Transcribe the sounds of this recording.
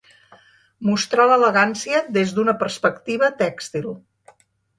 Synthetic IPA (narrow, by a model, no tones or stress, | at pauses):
must̪ɾalələɣansiəd̪ezd̪unəpərspəkt̪iβət̪ɛkst̪ilˠ